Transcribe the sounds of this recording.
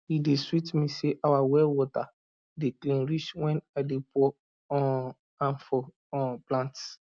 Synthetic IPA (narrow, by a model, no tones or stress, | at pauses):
ideswitmiseʔawawɛlwɔta | deklĩnɾit͡ʃwɛ̃nadepɔ | ɔ̃ | ãnfɔ | ɔ̃plãnt